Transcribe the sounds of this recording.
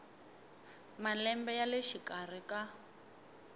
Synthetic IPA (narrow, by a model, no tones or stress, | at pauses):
malɛmbɛjaleʃikar̤ika